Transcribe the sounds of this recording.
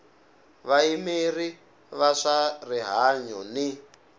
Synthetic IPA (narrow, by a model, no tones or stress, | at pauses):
βaimiri | βaʂariɦaɲɔni